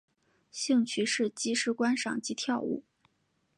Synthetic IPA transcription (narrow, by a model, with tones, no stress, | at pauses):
ɕi˥˧ŋt͡ɕʰy˧˥ʂɻ̩˥˩t͡ɕi˧˥ʂɻ̩˥˩kwa˥nʂɑ̰˨˩ŋt͡ɕi˧˥t̪ʰjɑ˥˧ʊṵ˥˩